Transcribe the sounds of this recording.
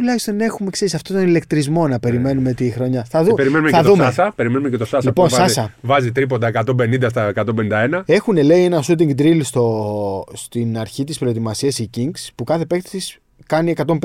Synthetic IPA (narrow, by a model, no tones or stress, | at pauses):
t̪ulɐçist̪o̞ne̞xume̞kse̞ɾisɐft̪o̞t̪o̞nilekt̪ɾizmo̞nɐpe̞ɾime̞numet̪ixɾo̞ɲɐθɐðupeɾimenumeɐɐt̪ðumeɐsɐpe̞ɾime̞numecet̪osɐslipo̞nsɐsɐvɐzit̪ɾip̬ond̪ɐekɐt̪o̞mbe̞nind̪ɐst̪ɐekɐt̪ombenind̪ɐe̞nɐe̞xune̞le̞ie̞nɐsut̪̬iŋɡd̪ɾilst̪o̞st̪inɐɾçit̪ispɾo̞e̞t̪imɐsiɐsiciŋɡspukɐθe̞pe̞kt̪t̪is | kɐnie̞kɐt̪o̞mp